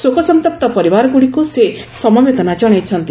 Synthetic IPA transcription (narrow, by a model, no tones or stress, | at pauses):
sokɔsɔnt̪ɔp̚t̪ɔpɔɾibaɾɔɡuɽikuse | sɔmɔbed̪ɔnad͡ʒɔɽ̃et͡ʃʰɔnt̪i